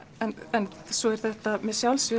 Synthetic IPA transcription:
ɛnɛnsɔɛɾ̥θɛht̪amɛsjawlsvʏ

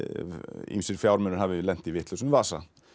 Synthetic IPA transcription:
ḭmsɪɾfjawɾmʏnəɾhavɪlɛn̥t̪ivɪt̪ləsʏnvaːsa

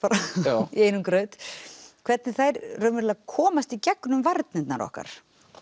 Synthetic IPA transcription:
paɾaieːjnʏmkɾœːt̪kʰv̥ɛɾt̪nɪθajɾrœːmɪɾlakʰɔːmast̪icɛknʏmvaɾt̪̚nɪt̪na̰ɾɔ̰hka̰ɾ̥

